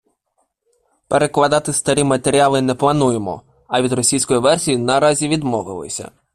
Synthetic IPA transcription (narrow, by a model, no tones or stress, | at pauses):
peɾe̞klˠɐd̪ɑt̪ɪst̪ɐɾʲimɐt̪e̞ɾʲiɑlˠɪnɛplˠɐnujemɔ̰ | ɐʋʲid̪ɾɔsʲijsʲkɔjiʋɛrsʲijinɐɾɑzʲiʋʲid̪mɔʋɪlˠɪ̰sʲɐ̰